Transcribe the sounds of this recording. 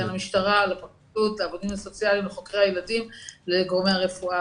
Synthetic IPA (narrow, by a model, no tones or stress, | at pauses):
anamiʃtaʁalepakidutleavodimaso̞t͡sjalimleχo̞kʁeajeladimleɡoʁme̞jaʁe̞fua